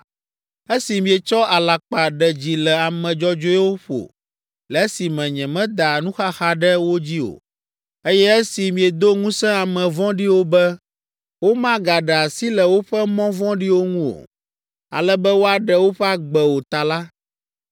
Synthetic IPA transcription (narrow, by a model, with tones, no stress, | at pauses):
e˦si˨mĩ˨ɛ˨t͡ʃɔ˦a˨la˨k͡pa˨ɖɛ˨d͡ʑi˨lɛ˨a˨mɛ̃˨d͡ʒɔ˦d͡ʒo˦ɛ˦wo˦ɸo̰˨ | lɛ˨ɛ˦si˨mɛ̃˨ɲɛ̃˨mɛ̃˦d̪a˨nũ˦xa˦xa˦ɖɛ˦wo˦d͡ʑi˦o̰˨ | e˦jɛ˦ɛ˦si˨mĩ˨ɛ˨d̪o˦ŋũ˦sɛ̃˦a˨mɛ̃˨vɔ̃˦ɖi˦wo˦bɛ˦ | wo˦mã˦ɡa˨ɖɛ˨a˨si˦lɛ˨wo˦ɸɛ˦mɔ̃˦vɔ̃˦ɖi˦wo˦ŋũ˦o̰˨ | a̰˨lɛ˦bɛ˦wo˦a˨ɖɛ˦wo˦ɸɛ˦a˨ɡ͡bɛ˨wo˨t̪a˨la˦